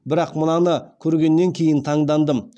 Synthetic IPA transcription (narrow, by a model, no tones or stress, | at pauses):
bɪɾɑqmənɑnəkʲʰɵɾɡʲe̞nːe̞ŋkʲʰe̞jɪnt̪ʰɑɴd̪ɑnd̪əm